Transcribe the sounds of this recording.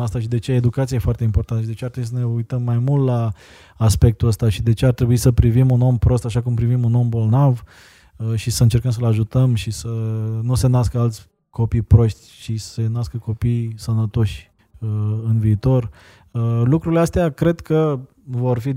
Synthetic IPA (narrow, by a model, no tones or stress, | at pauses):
ast̪aʃid̪e̞t͡ʃeaed̪ukat̪sijajefoart̪eimpo̞rt̪anəʃid̪e̞t͡ʃeat̪ɾebuisəne̞ujt̪əmːajmult̪laː | spe̞k̚t̪uəst̪aʃid̪e̞t͡ʃe̞art̪ɾebuisəpɾivimuno̞mpɾo̞st̪aʃakumpɾivimuno̞mbo̞lnav | ʃisəɨnt͡ʃe̞rkəms̬əlaʒut̪əmʃisənuse̞naskəalt̪sʲ | ko̞pijpɾo̞ʃt̪ʲt͡ʃisenaskəko̞pijsənət̪o̞ʃʲ | ɨnviːt̪o̞r | lukɾuɾileast̪eakɾe̞d̪kə | vo̞rfi